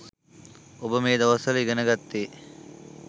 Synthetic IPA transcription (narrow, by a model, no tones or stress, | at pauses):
obɐmeːd̪ɐʋɐsɐliɡɐnɐɡɐt̪ːeː